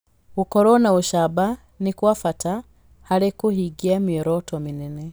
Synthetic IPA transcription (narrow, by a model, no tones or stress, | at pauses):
ukoɾonauʃaba | nikwafata | halekuhiɡiamieɾotominine